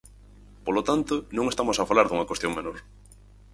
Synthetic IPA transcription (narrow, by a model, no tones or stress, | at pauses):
polot̪ant̪ʊnõŋest̪amosafalaɾðuŋɐkwest̪joŋmenoɾ